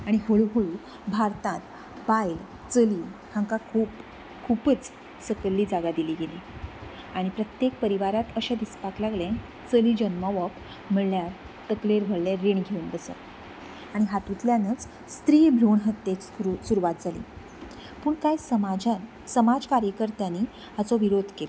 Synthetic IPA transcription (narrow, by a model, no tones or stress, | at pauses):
aɽ̃iɦoɭɦoɭ | bʱaɾt̪ãt̪ | bajl | t͡səlihãŋkakʰuːp | kʰupət͡s | səkəlːiːd͡zaɡad̪iliːɡeli | aɽ̃ipɾət̪jek̚pəɾiʋaɾat̪əɕad̪ispaklaɡlẽ | t͡səliːd͡ʑənməʋɔp | m̤əɭljaɾ | t̪əkleɾbʱəɭleɾːeɳɡʱeund̪əsə̰ | aɽ̃iɦat̪ut̪ljanət͡s | st̪ɾiːbʱɾoɳɦət̪ːet͡susuɾuʋat̪̚d͡zʱalḭ | puːɳkajsəma | səmad͡zkaɾjəkəɾt̪ani | hat͡sɔʋiɾod̪ʱkel